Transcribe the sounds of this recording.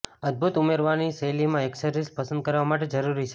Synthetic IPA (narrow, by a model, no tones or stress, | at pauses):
əd̪̚bʱut̪umeɾʋaniselimãeksəɾispəsənd̪̚kəɾʋamaʈ̬ed͡ʒəɾuɾit͡ʃʰe